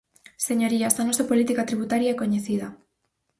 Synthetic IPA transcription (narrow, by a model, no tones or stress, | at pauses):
seɲoɾiasðanosapolit̪ikat̪ɾiβut̪aɾjaekoɲeθið̞a